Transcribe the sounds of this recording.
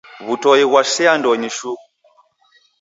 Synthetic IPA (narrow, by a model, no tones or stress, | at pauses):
βutɔjiɣwaʃiandɔɲiʃu